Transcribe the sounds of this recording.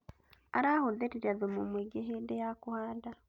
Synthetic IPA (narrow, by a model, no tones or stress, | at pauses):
aɾahoðeɾiɾaðomumweɡeɦedejakuhaːda